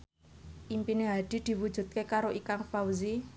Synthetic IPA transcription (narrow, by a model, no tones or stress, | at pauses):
ʔimpineɦad̪̥i̤d̪̥i̤wu̥d͡ʒ̥ṳt̪̚kekaɾoʔikaŋfawzi